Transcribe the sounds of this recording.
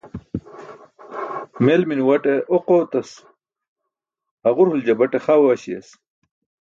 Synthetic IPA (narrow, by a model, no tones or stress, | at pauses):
melminwɐʈeʔoqoːt̪ɐs | ɐʁuɾhuld͡ʑɐbɐʈeχawaɕiɐ̰s